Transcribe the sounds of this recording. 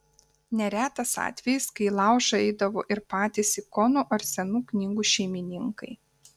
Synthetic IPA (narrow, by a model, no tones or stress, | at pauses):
nʲɛɾʲæːt̪ɐsɑ̰ːt̪ʲʋʲɛjɪskɐɪlˠɑˑʊʃɐɛɪd̪ɐʋoːʔɪɾpɑːt̪ʲɪsʲikɔnoʔɐɾʲsʲɛnuːknʲiːɡuːʃʲɛɪmʲɪnʲɪŋkɐɪ